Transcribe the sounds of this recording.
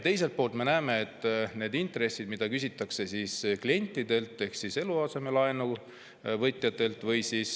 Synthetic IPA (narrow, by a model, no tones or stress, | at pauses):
t̪e̞jse̞lt̪̚po̞ːlt̪me̞næːme̞et̪ːˑne̞ːd̪int̪re̞sːid̪̥mid̪ɑkysʲit̪ːˑɑkse̞siːsklie̞nʲt̪ˑːid̪e̞lt̪ːˑe̞hksise̞luɑse̞melɑenu | vɤjt̪ˑjɑt̪ːˑe̞lt̪ˑvɤjsiːs